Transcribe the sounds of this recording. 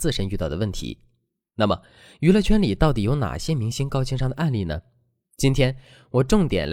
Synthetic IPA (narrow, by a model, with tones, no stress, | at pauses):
t͡sɹ̩˥˩ʂə˧˥ny˥˧ɑ˥˩ʊd̪ə˩wə˥˩nt̪ʰḭ˧˥ | na˥˩mə˩ | y˧˥lə˥˧t͡ɕʰɥɛ˥nli˨˩t̪ɑ˥˩ʊt̪i˨˩jo˧˥ʊna̰˨˩ɕjɛ˥mi˧˥ŋɕi˥ŋkɑ˥ʊt͡ɕʰi˥ŋʂɑ˥˩ŋd̪ə˩ʔa˥˧nli˥˩nə̰˩ | t͡ɕi˥nt̪ʰjɛ˥n | wɔ˨˩ʈ͡ʂʊ˥˩ŋt̪jɛ̰˨˩nl